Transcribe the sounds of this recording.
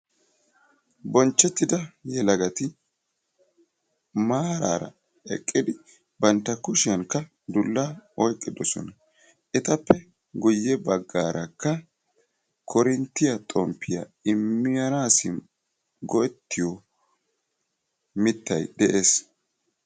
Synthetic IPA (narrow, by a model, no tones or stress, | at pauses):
bɔnt͡ʃːɛt̪ːɪd̪ɐjɛlɐɡɐt̪ɪ | maːɾa̰ːɾɐ̰ | ɛ̰kʼːɪd̪ɪ | bɐnt̪ːɐkʊʃɪjɐŋkːɐ | d̪ʊlːaɔjt̪ʼːɪd̪ɔsɔ̰nɐ | ʔɪt̪ɐpːɛ | ɡʊjːɛbɐɡːaːɾʔɐkːɐ | kʰɔɾɪnt̪ːɪjɐt̪ʼɔmpʰːɪjɐ̰ɪmːɪjɐnaːsɪ | ɡɔɛt̪ːɪjɔ | mɪt̪ːɐjd̪ɛʔeːs